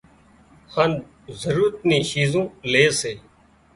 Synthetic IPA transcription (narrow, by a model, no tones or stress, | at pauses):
hən | zəɾuːɾət̪nĩːʃiːzõːleːseː